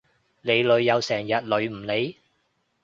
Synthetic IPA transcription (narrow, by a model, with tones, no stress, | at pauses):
le˨˧jlɵ˨˧ɥːɐ˨˧wsɛː˨˩ŋjɐ˨t̚lɵ˨˧ɥm̩˨˩le˨˧j